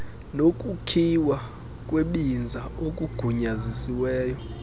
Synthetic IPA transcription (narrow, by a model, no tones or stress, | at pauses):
nokʼukʰiwa | k̬ʼweɓind͡zʱaok̬ʼuɡ̥ʱuɲazisiwɛːjɔ